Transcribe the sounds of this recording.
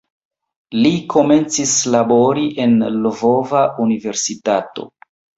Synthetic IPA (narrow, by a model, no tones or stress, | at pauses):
likʰo̞me̞nt͡sislabo̞ɾiʔe̞nlovo̞vaʔunive̞ɾsitato̞̰